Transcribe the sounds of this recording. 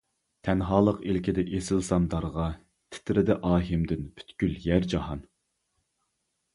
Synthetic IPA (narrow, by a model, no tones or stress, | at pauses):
t̪ʰɛnɦɑːlˠəqilkʲid̪ɛʔesɪlsɑnd̪ɑɾʁɑ | t̪ʰɪ̥t̪ɾɪd̪ɛʔɑːɦɪmd̪ɪnpʰy̥t̪kʲyljæɾd͡ʒɑɦɑn